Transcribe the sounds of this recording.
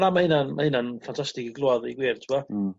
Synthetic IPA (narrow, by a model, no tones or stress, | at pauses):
ɾamahɪnanmʔa̰hɪnanfantʰastɪkəɡlˠoːaðiɡwiːrtʰɪmɔ